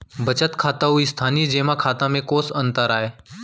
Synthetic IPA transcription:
bət͡ʃət̪kʰaːt̪aɦuist̪ʰaːniːd͡ʒeːmãkʰaːt̪ãmẽkoːsənt̪əɾaːɦeː

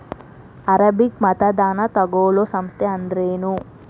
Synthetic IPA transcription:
ɐɾɐbikmɐt̪ɐd̪aːnɐt̪ɐɡoːɭosɐmst̪ʰeɐnd̪ɾeːnu

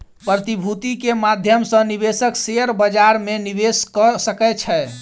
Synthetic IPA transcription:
pɾət̪ibʱut̪ikemad̪ʱjəmsə̃niβesəkseəɾbəd͡ʒaɾmeniβeskəsəkɛt͡ʃʰɛ

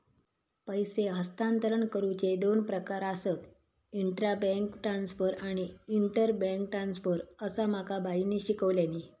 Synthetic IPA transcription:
pəjseɦəst̪ant̪əɾəɳkəɾut͡ɕed̪onpɾəkaɾasət̪ | iɳʈɾabə̃ŋkʈɾansfəɾaɽ̃iiɳʈəɾbɛ̃ŋkʈɾansfəɾəsam̤akʰabainiːɕikəʋljaniː

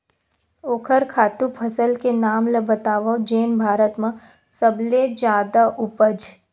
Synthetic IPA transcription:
oːkʰəɾkʰaːt̪upʰəsəlkenaːmləbət̪aːʋəd͡ʒeːnbʱaːɾət̪mə̃ | səbled͡ʒaːd̪aʔʊpəd͡ʒ

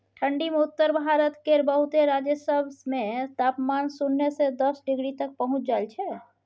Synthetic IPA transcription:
ʈʰəɳɖimeut̪ːəɾbʱaɾət̪kebəɦut̪eɾad͡ʒəsəbsmet̪apmansunːesed̪əsɖɪɡɽit̪ək̚pəɦʊ̃t͡ʃʰd͡ʒaelt͡ʃʰɛ

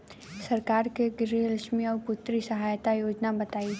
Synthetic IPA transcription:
sɐɾkaːɾkeɡɾiələʃmiɔːɾpʊt̪ːɾisɐɦaːjt̪ajoːd͡ʒnabɐt̪aːi

